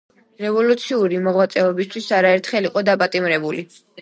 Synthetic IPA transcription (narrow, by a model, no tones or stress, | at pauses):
ɾɛvɔlut̪sʰiuɾimɔʁwat̪sʼɛɔbist̪ʰwisaɾaɛɾt̪ʰχɛliqʼɔd̪apʼat̪ʼimɾɛbuli